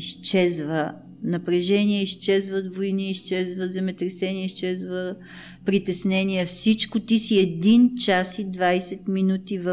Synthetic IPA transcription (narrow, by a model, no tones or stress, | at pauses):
iʃt͡ʃɛzvə | nɐpɾɛʒɛniɛiʃt͡ʃɛzvət̪voiniːʃt͡ʃɛzvəzɛmɛt̪ɾɛsɛniəiʃt͡ʃɛzvə | pɾit̪ɛsnɛniɛfsit͡ʃkot̪isiɛd̪int͡ʃasid̪vajsɛt̪minut̪ivə